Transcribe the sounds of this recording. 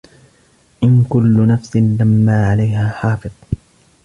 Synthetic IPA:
ʔɪnkʊlːʊnafsɪnlamːaːʕalajhaːħɑːfɨðˤ

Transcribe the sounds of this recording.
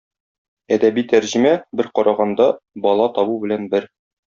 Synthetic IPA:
æd̪æbijt̪æɾʑɘ̆mæbɘɾqɒɾʔɑʁɑnd̪ɑbɒlˠɑt̪ɒbubɘ̆lænbɘɾ

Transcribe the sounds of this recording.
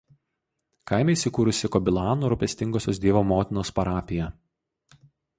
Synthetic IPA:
kaˑɪmʲɛɪisʲɪkuːɾʊsʲɪkɔbʲɪlˠɑːnuːɾʊpʲɛsʲt̪ʲɪŋɡoːsʲoːs̬d̪ʲiɛʋoːmoːt̪ʲɪnoːspɐɾɑːpʲɪjɛ

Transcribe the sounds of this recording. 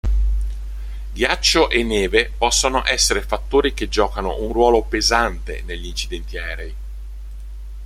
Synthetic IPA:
ɡjat͡ʃːoʔenːeːvepɔsːonoʔɛsːeɾefat̪ːoːɾik̟ed͡ʒːɔːkano̰ʔunrwɔːlopezant̪ḛneʎːiint͡ʃid̪ɛnt̪iɛːɾej

